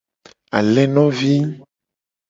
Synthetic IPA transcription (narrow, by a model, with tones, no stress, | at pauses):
a̰˨lɛ˦nɔ̃˦vi˦